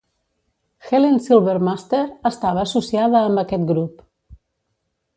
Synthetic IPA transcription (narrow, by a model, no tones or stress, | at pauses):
xelensilˠβeɾmast̪eɾəst̪aβəːsusiaðəːmbəkɛt̪ɡɾup